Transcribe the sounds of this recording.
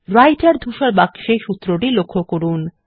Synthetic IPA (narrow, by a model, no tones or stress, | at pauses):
ɾajʈaɾd̪ʱuʃaɾbakʃeʃut̪ːɾoʈilokʰːokoɾun